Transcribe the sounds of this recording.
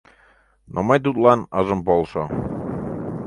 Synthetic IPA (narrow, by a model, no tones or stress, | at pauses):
nʔomɑjt̪̬ut̪lˠɑnɑʒɤ̆mpolˠʃɤ